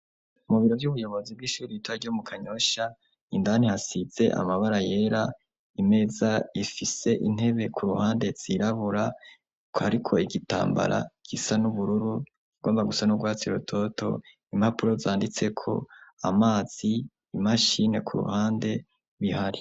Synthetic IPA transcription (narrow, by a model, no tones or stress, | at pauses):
muβiɾo̞vjuβujo̞βo̞zibɡiʃuːɾiitwaɾɟomukʰaɲo̞ʃa | indan̥ihasiz̥e̞ʔa̰maβaɾaje̞ːɾa | ime̞zaifise̞ʔin̥he̞βe̞kʰuɾuhaːnde̞z̥iɾaβuɾa | kaɾikʰo̞iɡita̰ːmba̰ɾa̰ɡ̥isanuβuɾuɾu | ɡo̞ːmbaɡusanuɡwaːt͡siɾutʰo̞tʰo̞̰ | im̥hapuɾo̞zaːndit͡se̞kʰo̞̰a̰maːz̥iː | maʃine̞kʰuɾṵhaːnde̞ | βihaɾi